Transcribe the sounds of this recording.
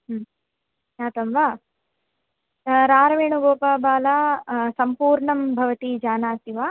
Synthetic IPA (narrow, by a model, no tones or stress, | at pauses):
ɦm | jaːt̪ɐmʋaː | ɾaːɾɐʋeːɳuɡoːpaːbaːlaːsɐmpuːɾɳɐmbʱɐʋɐt̪id͡ʒaːnaːt̪iʋaː